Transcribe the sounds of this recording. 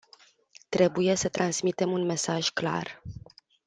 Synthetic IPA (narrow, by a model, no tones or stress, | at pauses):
t̪ɾe̞buje̞sət̪ɾansmit̪e̞munme̞saʒkla̰r